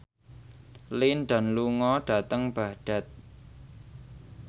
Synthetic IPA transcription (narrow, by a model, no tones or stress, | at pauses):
linɖa̤nluŋɔɖ̥a̤t̪əŋb̥aɖ̥a̤t̪̚